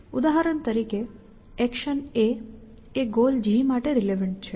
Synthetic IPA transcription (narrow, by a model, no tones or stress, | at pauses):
ud̪aɦaɾənt̪əɾike | ɛkʃəne | eɡold͡ʒimaʈeɾileʋəɳʈ̚t͡ʃʰe